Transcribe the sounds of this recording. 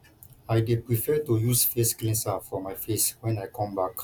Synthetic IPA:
ajdepɹifɛtujusfesɡlɛ̃nsafɔmajfeswɛ̃najkʰɔ̃mbak

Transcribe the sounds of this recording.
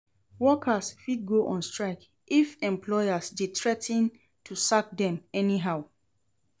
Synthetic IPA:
wɔkʰasfid̚ɡoʔɔ̃nstɹaɪk | ifɛ̃mpʰlɔjasdetʰɹɛtʰĩn | tʰusak̚dɛ̃mɛniɦaʊ

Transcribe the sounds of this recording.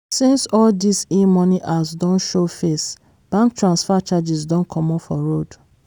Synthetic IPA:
sĩnsɔldisimɔniʔazdɔ̃nʃofes | b̥ãŋk̚tʰɹãnsfat͡ʃad͡ʒizdɔ̃nkʰɔ̃mɔfɔɹod

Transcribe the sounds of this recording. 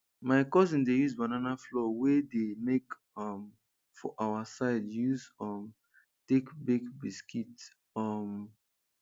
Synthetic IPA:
maɪkɔzĩndejuzbananaflɔwedemek | ɔm | fɔ̰ʔawasaɪdjuzɔm | tekbiɡbiskit | ɔm

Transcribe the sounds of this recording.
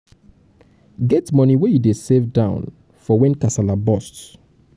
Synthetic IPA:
ɡɛtmɔniwejudesevdãʊ̃n | fɔwɛ̃nkasalabɔst

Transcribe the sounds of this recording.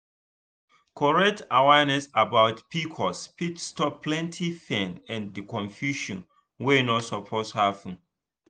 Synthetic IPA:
kʰɔɹɛk̚tawɛnɛsabaʊtpikʰɔspitstɔpʰːlɛ̃ntʰifɛ̃nɛ̃ndikɔ̃ɱfjuʃɔ̰̃n | wenɔtsɔpʰoshaṽn

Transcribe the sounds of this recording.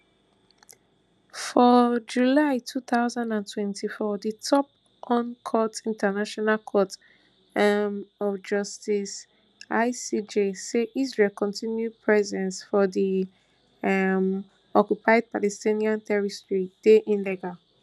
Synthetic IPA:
fɔd͡ʒulaɪtʰuθaʊzãndãntʰwɛ̃ntʰifɔditʰɔp̚ | ʔɔ̃nkʰɔtĩntʰanaʃɔnalkʰɔt | mɔfd͡ʒɔstis | aɪsid͡ʒeseʔizɹelkɔ̃ntʰĩnjupʰɹɛzɛ̃nsfɔdi | m | ɔkjupʰaɪd̚palɛstĩniãntɛɹistɹitd̥eʔĩnlɛɡa

